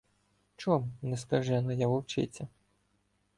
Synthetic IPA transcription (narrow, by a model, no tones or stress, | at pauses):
t͡ʃɔmnɛskɐʒɛnɔjaʋɔwt͡ʃɪ̰t͡sʲːɐ